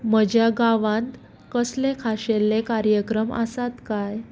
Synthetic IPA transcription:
məd͡ʑjaɡaʋãnt̪ | kəslekʰaɕelːekaɾjəkɾəma̰sat̪kaj

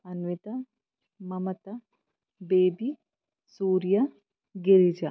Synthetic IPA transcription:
ɐnʋɪt̪ɐ | mɐmɐt̪ɐ | beːbi | suːɾjɐ | ɡɪɾid͡ʒɐ

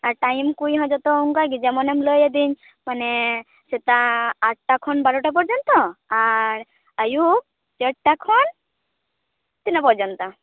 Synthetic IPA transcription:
aɾʈajmkujɦɔ̃d͡ʒɔt̪ɔuŋkaɡid͡ʒɛmɔnɛmlojed̪iɲ | manɛ | set̪aːʈ̚ʈakʰɔnbaɾɔʈap̬ɔɾd͡ʒɔnt̪ɔaɾ | əju | t͡ʃəʈʈakʰɔn | t̪inapɔɾd͡ʒɔnt̪ɔ

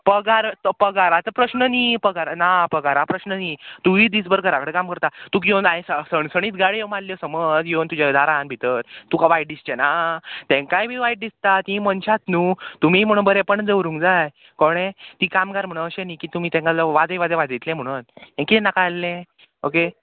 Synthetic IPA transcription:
pəɡaɾpəɡaɾat͡səpɾəɕnəniːpəɡaɾanapəɡaɾapɾəɕnəniːt̪uʋiːd̪isbəɾɡəɾakəɽekamkəɾt̪at̪uːkijonaĩsəsəɳsəɽ̃iːt̪ɡaɽjemalljɔsəməd͡zjont̪ud͡ʑad̪aɾanbʱit̪əɾt̪ukaʋajʈ̚d̪ist͡ɕenat̪ẽŋkajbʱiːʋaiʈ̚d̪ist̪at̪ĩmənɕat̪nuːt̪umiːm̤əɽ̃uːnbəɾepəɳd͡zəwɾũŋɡd͡zaj | kɔɽ̃ẽt̪iːkamɡaɾm̤əɽ̃ũəɕeniːkiːt̪um̤iːt̪ɛ̃ŋkalaʋad͡zeʋad͡zeʋad͡zit̪lẽm̤əɽ̃unẽŋkit̪nakalːẽ | oke

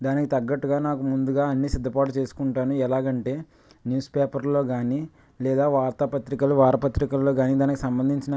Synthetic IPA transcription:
d̪aːnikit̪ɐɡːɐʈːuɡaːnaːkumund̪uɡaːɐnːiːsid̪ʱːɐpaːʈ̬ut͡ʃe̞ːsu̥kuɳʈaːnuɛlaːɡɐɳʈe̞ː | njuːspeːpɐɾlo̞ːɡaːni | lɛːd̪aːʋaːɾt̪ɐpɐt̪ɾikɐluʋaːɾɐpɐt̪ɾikɐlloːɡaːniːd̪aːnikisɐmbɐnd̪ʱiɲt͡ʃinɐ

